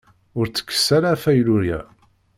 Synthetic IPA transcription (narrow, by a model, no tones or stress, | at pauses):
ʊɾt͡sːə̥kːə̥sːæɾafæjluɾjæ̰